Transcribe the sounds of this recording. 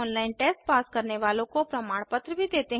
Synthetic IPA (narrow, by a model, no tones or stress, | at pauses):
ɔːnlaːɪnʈeːsʈpaːskɐɾneʋaːlõkopɾɐmaːɽ̃pət̪ɾəbʱid̪eːt̪eɦ